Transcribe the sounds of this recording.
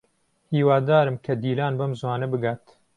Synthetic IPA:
hiːwaːd̪aːɾɨmkʰɐd̪iːlaːnbɐmzwaːnɐbɨɡaːt̪

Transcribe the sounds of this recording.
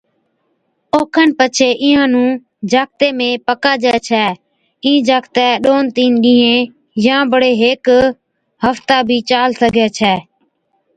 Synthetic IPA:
oːkʰənpət͡ʃʰeːʔɪ̃ːãːnũː | d͡ʒaːk̚t̪eːmẽːpəkaːd͡ʒaːt͡ʃʰɛː | ĩːd͡ʒaːkt̪ɛːɗoːnt̪iːnɗĩːɦẽː | jãːbəɽeːɦeːk | həft̪aːbʱiːt͡ʃaːlsəɡʱeːt͡ʃʰɛː

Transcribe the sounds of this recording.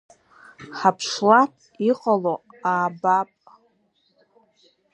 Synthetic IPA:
ħapʰʂlatʰ | iqʼaloaːbapʼ

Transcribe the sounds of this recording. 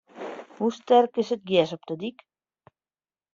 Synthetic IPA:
uʃt̪æɾkɘ̆ʃɘ̆t̪̚ɡiæʃŏp̚t̪ɤ̆d̪ik

